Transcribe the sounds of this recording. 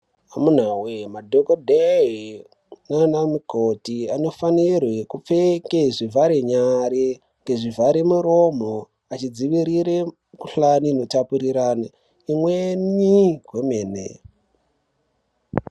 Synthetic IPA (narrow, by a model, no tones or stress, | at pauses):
amun̤awemadʱokodʱeɦi | nanamukotiano̞fanirwekup͡fekeʐivʱaɾeɲaɾe | ŋɡe̞ʐivʱaɾemuɾo̞m̤o | at͡ʃid͡ziʋiɾiɾe | kuɬanino̞tapuɾiɾana | imweniɡwemeːnḛ